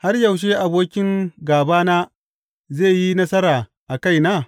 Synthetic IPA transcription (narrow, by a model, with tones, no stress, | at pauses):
ha˦rjɐ˨wʃ̬e˦ʔa˨boː˦kʲɪ˦ŋɡaː˨baː˦naː˦ | zeː˦˨ji˦nɐ˦sɐ˦ɾaː˨ | ʔa˨ka˦˨jnaː˦